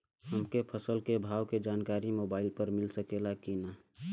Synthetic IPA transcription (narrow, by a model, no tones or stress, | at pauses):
ɦəmkepʰəsəlkebʱaːwked͡ʒaːnkaːɾimoːbaːɪlpəɾmɪlsəkelakina